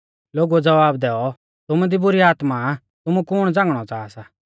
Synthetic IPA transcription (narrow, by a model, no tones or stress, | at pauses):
loːɡuɛd͡zɐʋaːb̚d̪ɛːɔ | t̪ʊmud̪ibʊɾiaːt̪ma | t̪ʊmukʊɽ̃d͡zãːŋɡɽ̃ɔt͡saːsa